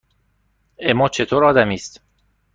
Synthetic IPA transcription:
emɒːt͡ʃʰe̞t̪ʰoːɾɒːd̪æmiːst̪

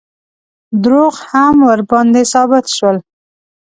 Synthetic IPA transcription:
d̪ɾoɣhamwəɾbɑnd̪esɑbɪt̪ʃwəl

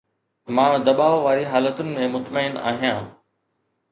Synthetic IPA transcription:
mãːd̪ɐbaːʋʋaːɾiɦaːlət̪ʊnɪ̆mẽmʊt̪məɪna̰ːɦijãː

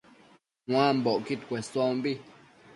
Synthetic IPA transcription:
hwãmboʔkit̪kʷessõmbi

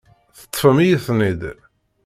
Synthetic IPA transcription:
θə̥t̪ˤːfəmijəθnid̪

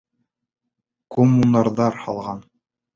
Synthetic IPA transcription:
komːunɑɾðɑɾhɑlˠʁɑn

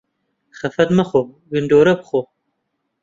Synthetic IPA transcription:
χɐfɐdmɐχʷo | ɡɨndoːɾɐpχʷo

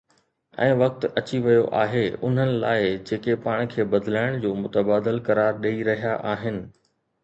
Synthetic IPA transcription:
ɛ̰̃ːʋɐk̚t̪ɐt͡ɕiʋɐjoʔa̰ːɦeʊ̰n̤ənɪ̆la̰ːɪd͡ʑeːkepaːɽ̃kʰeːbɐd̪ʱlaːɪɽ̃d͡ʑoːmʊt̪əbaːd̪əlkɐɾaːɾɗeiɾɐɦijaʔaːɦɪnɪ̆

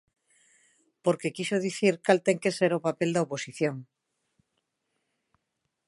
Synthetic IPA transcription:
poɾkekisoðiθiɾkalt̪eŋke̞seɾopapeld̪aoposiθjoŋ

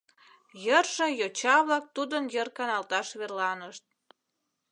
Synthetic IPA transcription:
jərʃə̆jot͡ɕɑβlɑk̚t̪ud̪ənjərkɑnɑlt̪ɑʃβerlɑnəʃt̪̚

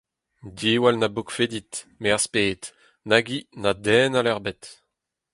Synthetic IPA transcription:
diːwalnabukfed̪it̪meaʁspeːt̪ | naɡinad̪ɛːnalɛʁbɛt̪

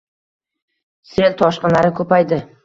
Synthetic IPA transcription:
se̞lt̪ʰɒʃqɨnlaɾɪkʰɵpajd̪ɪ

